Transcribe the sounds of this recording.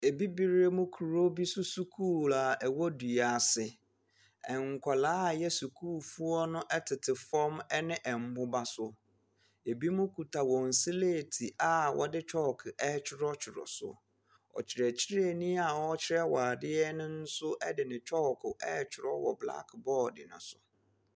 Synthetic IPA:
e˨bi˦bi˦ɾe˦mʊ̃˦kʰu˨ɾo˦bi˦sʊ˦su˦kʰuː˦˨la˨ɛ˨wɔ˦du˨a˨sɪ˨ | ɛ˨ŋ˨kʷʰa˨laː˨˦˨jɛ˦su˨kʰuː˦˨fu˦ɔ˦nʊ̃˦ʔɛ˦tʰɪ˨tʰɪ˨fɔ̃˦mɛ˦nɪ̃˦ʔɛ˨m̩˦bʊ˦ba˦sʊ˦ | e˨bi˦mʊ̃˦kʰu˨tʰa˨wɔ̃˨n̩˨si˦le˦˨tʰi˨ʔa˦wʔɔ̰˨dɪ˦t͡ɕʰɔ˦˨kʰɪ˨ʔɛ˦t͡ɕʰɪ˦ɾɔ˦t͡ɕʰᶣɪ˨ɾɔ̰˨sʊ̰˨ | ɔ̰˨t͡ɕʰɪ˨ɾɛ˨t͡ɕʰɪ˦ɾɛ˨nĩ˦a˨wɔ˦t͡ɕʰɪ˦ɾɛ˦waː˨dɪ˦ɛ˦nɪ̃˦n̩˦sʊ˦ʔɛ˦dɪ˨nɪ̃˨t͡ɕʰɔ˦˨kʰʊ˨ʔɛ˦t͡ɕʰɪ˨ɾɔ˦wɔ̰˨bla̰˦kbɔː˦˨dɪ̰˨nʊ̰̃˨sʊ˨

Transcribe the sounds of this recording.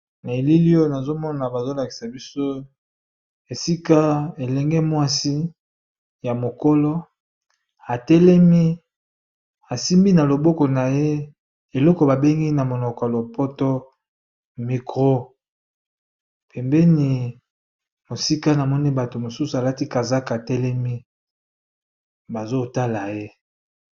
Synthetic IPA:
na˨e˨li˦li˦o˦na˨zo˦mɔ˦na˨ba˨zo˦la˨ki̥˨sa˨bi˦so˦ | e˨si˦ka˦e˨lɛ˨ŋɡɛ˦mwa˦si˦ | ja˨mo˨ko˦lo˦ | a˨tɛ˦lɛ˦mi˦ | a˨si˦mbi˦na˨lo˨bɔ˦kɔ˨na˨je˦ | e˨lɔ˦kɔ˨ba˨be˦ŋɡi˦na˨mo˨nɔ˨kɔ˨a˨lo˨pɔ˦to˦ | mi˨kʁo˦ | pʰɛ˨mbɛ˦ni˨ | mo˨si˦ka˦na˨mɔ˦ni˦ba˨to˨mo˨su˦su˨a˨la˦ti˦ka˨za˦ka˨tɛ˦lɛ˦mi˦ | ba˨zo˦ta˦la˨je˦

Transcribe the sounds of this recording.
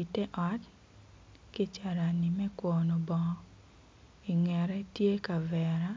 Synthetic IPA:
i˨tɛ˦ʔɔ˨˦t | kɪ˦t͡ʃa˨ɾa˨nɪ˨mɛ˦kwɔ˨nɔ˨bɔ˨ | i˨ŋɛ˨ɾɛ˦tje˦ka˨vɛ˨ɾa˦

